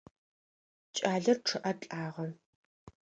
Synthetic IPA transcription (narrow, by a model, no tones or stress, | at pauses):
t͡ʃʼaːɮɐrʈ͡ʂʰɨʔɐt͡ɬʼaːʁɐ